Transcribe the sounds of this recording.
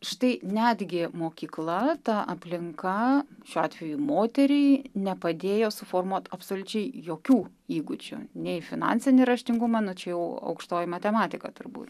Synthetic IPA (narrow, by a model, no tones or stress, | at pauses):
ʃt̪ɐɪnʲæd̪ʲɡʲɪmoːkʲiːklˠɐt̪ɐɐpʲlʲɪŋkɐʃʲuːɑːt̪ʲʋʲɛjumoːt̪ʲɛɾʲɛɪnʲɛpɐd̪ʲeːjoːsʊfoːrmuɔt̪ɐpsoːlʲʊt͡ʃʲɛɪjoːkʲuː | iːɡʊt͡ʃʲʊ̰nʲɛɪfʲɪnɑ̰ːnʲsʲɪnʲɪɾɐʃʲt̪ʲɪŋɡʊmɑnʊt͡ʃʲɛjɛʊɐ̰ʊkʃt̪oːjɪmɐt̪ʲɛmɑːt̪ʲɪkɐ̰t̪ʊrbṵːt̪